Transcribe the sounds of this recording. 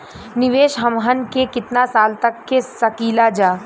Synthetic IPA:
nɪʋeːʃɦɐmɦənkekɪt̪nasaːlt̪ɐkːesɐkiːlad͡ʒaː

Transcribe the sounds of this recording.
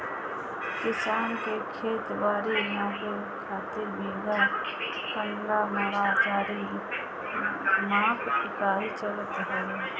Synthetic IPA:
kɪsaːnkekʰeːt̪baːɾinãːke | kʰaːt̪ɪɾbeːɡa | kəŋɡaːməɾaːt͡ʃaːɾi | mãːpɪkaːit͡ʃələt̪ɦɛ̃ː

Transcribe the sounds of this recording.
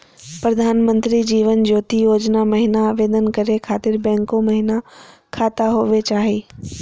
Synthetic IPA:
pɾɐd̪ʱaːnmə̃nt̪ɾid͡ʑiːʋənd͡ʑoːt̪ijoːd͡ʑnamɐɦɪnaʋeːd̪ənkɐɾekʰaːt̪ɪɾbɛ̃ːŋkõmɐɦɪnakʰaːt̪aɦoːʋet͡ɕaːɦiː

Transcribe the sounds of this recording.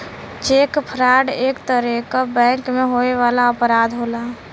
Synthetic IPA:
t͡ʃekpʰɾaɖekt̪əɾɛkəbɛ̃ŋkmeɦoeʋalaəpɾad̪ʱɦola

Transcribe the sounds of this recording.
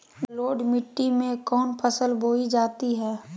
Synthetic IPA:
loːɖmɪʈːimẽkɔːnpʰəsəlbʱoːid͡ʒaːt̪iɦɛː

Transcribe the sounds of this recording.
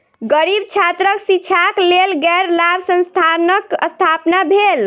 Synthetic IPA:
ɡəɾib̚t͡ʃʰat̪ɾəksikːt͡ʃʰaklelɡɛɾlabsə̃nst̪ʰanəkəst̪ʰapnabʱel

